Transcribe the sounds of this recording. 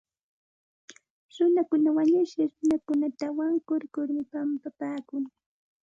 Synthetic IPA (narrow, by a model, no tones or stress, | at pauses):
ɾʊnakʊnawaɲʊʃɪχɾʊnakʊnat̪awaŋkʊɾkʊɾmɪpampapaːkʊŋ